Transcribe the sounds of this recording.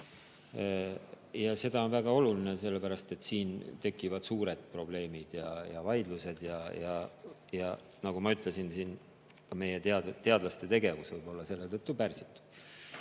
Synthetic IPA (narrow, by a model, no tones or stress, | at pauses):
jɑse̞d̪̥ɑo̞nvæɡ̥ɑo̞lulinese̞lːepæɾɑst̪e̞t̪ːˑsiːnt̪e̞kːˑivɑd̪̥suːɾe̞d̪̥̚pro̞b̥le̞ːmid̪̥jɑjɑvɑjd̪luse̞d̪̥jɑjɑjɑ | nɑɡ̥umɑyt̪ˑle̞sinsiːn | kɑme̞jet̪eɑt̪e̞ɑd̪lɑst̪e̞t̪e̞ɡe̞vusvɯjbo̞lːɑse̞lːe̞t̪ɤt̪ːˑupærsit̪ːˑu̥d̪̥